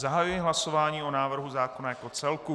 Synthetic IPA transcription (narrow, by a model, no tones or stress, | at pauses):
zaɦajujɪɦlaso̞vaːɲiːo̞naːvr̩ɦuzaːko̞najako̞t͡sɛlku